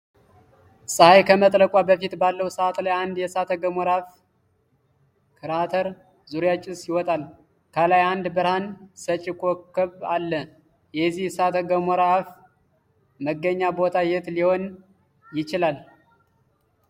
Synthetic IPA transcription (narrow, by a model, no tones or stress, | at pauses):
sʼəhajkʰəmət̪ʼləkʼʷabəfit̪balːəwsəat̪lajand̪jɛsat̪ʰəɡəmɔɾaf | kʰɨɾat̪ʰəɾ | zuɾjat͡ʃʼɪsjɪwɔt̪ʼal | kʰəlajand̪bəɾhansət͡ʃʼɪkʰʼokʰːəβalːə | jɛzːihsat̪ʰəɡəmɔɾaf | məɡːəɲːabo̞t̪ʰajɛt̪liho̞n | jɪt͡ʃɪlal